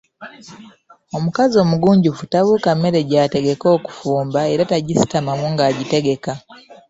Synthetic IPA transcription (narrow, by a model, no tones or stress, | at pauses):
o̞mukazo̞muɡuːɲɟufutaβuːkamːe̞ɾe̞ɟaːte̞ɡe̞ko̞ːku̥fuːmbae̞ɾataɟisi̥tamamuŋɡaːɟite̞ɡe̞ka